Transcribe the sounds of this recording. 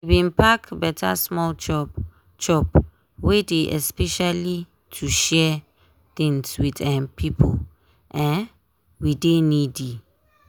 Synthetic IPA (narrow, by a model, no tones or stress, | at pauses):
wibĩnpakbɛtʰa̰smɔlt͡ʃɔ | t͡ʃɔp | wedeʔɛ̰spɛʃali | tʰuʃɛ | t̪ĩŋswidɛ̃npʰipʰol | ʔɛ̃n | widenidi